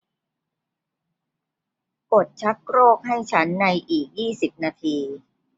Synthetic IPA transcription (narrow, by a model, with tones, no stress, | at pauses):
ko˨˩t̪̚t͡ɕʰa˦˥k̚ɾoː˥˩k̚ɦa˥˩jt͡ɕʰa˦˥nːa˧jʔiː˨˩k̚jiː˥˩si˨˩p̚naː˧t̪ʰiː˧